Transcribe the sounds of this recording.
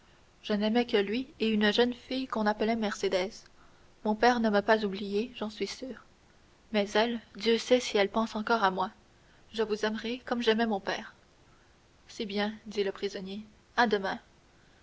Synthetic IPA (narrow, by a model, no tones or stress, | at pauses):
ʒ̥ənɛmɛkəlɥieynʒənfijkɔ̃napəlɛmɛʁsed̪ɛːz̥ | mɔ̃pɛːʁnəməpazublijeʒɑ̃sɥisyːʁ | mɛzɛld̪jøsɛsiɛlpɑ̃sɑ̃kɔːʁamwa | ʒəvuzɛmʁɛkɔmʒɛmɛmɔ̃pɛːʁ | sibjɛ̃d̪iləpχizɔnje | ad̪əmɛ̃